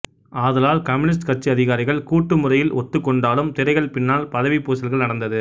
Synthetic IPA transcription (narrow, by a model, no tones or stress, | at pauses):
aːðɐlaːlkɐmɪnɪs̬ʈkɐʈ̚t͡ʃiɐðɪɣaːɾɪɣɐɭkuːʈːɯmɯrɐjɪlɔt̪ːɯkːɔɳɖaːlɯmt̪ɪɾɐɪɣɐɭpɪnːaːlpɐðɐʋipːoːsɐlɣɐɭnɐɽɐnd̪ɐðɯ